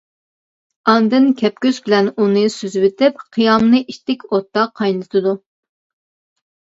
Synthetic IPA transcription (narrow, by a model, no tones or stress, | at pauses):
ɑnd̪ɨnkʲʰɛp̚kʲøzbɪlɛnunɨsyzwɪt̪ʰɪp̚qʰijɑmnɨʔiʃt̪ɪkʲʰot̪ːɑqʰɑjnɨt̪ʰɨd̪u